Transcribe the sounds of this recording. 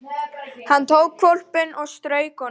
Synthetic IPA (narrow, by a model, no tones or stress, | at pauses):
hanːt̪ʰoːwɣkʰvɔwl̥pɪnɔɣst̪ɾœːɥkɔ